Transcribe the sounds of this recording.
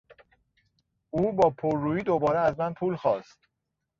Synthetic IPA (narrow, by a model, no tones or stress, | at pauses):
uːbɒːpʰoɾːuːjiːd̪o̞bɒːɾeæzmænpʰuːlxɒːst̪